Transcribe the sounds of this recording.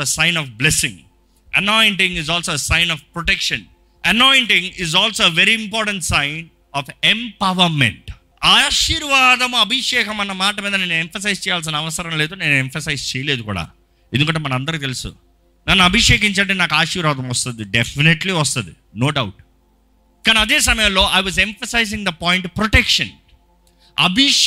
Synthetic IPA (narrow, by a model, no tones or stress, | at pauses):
esajnɔːfblesĩŋ | ɐnɔːjɳʈĩŋizɔːlsoːesaɪnɔːfpɾɔʈekʂɐn | ɐnɔːjɳʈiŋizɔːlsoːeʋeɾiimpɔːɾʈɐ̃ɳʈsajn | ɔːfempɐʋɐɾmḛɳʈ | aːʃiɾʋaːd̪ɐmɐbʱiʂɛːkɐmɐnɐmaːʈɐmiːd̪ɐneːnːuemfɐsɐjzt͡ʃɛːjaːls̬inɐɐʋɐsɐɾɐmleːd̪oːne̞ːnuemfɐsɐjzt͡ʃɛːjɐleːd̪ukṵːɽa̰ː | end̪ukɐɳʈ̬ːeːmɐnɐ̃mɐnd̪ɐɾukt̪elusṵ | nɐnːuɐbʱiʂɛːk̬iɲt͡ʃɐɳʈenaːkaːʂiːɾʋaːd̪ɐmʋɐst̪und̪iɖefʰineʈliʋɐs̬t̪und̪i | noːɖawʈ | kaːniɐd̪eːs̬ɐmɐjɐlo̞ːʔajʋɐzemfɐsajzĩŋd̪ɐpɔːjɳʈpɾɔʈekʂɐn | ɐ̰bʱi